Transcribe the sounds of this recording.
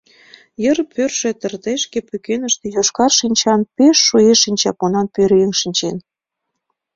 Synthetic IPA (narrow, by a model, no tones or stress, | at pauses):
jərpørʃĕt̪ə̆rd̪eʃkepykenəʃt̪ĕjoʃkɑrʃinʲt͡ɕɑnpeʃːueʃinʲt͡ɕɑkonɑnpøɾeŋʃinʲt͡ɕen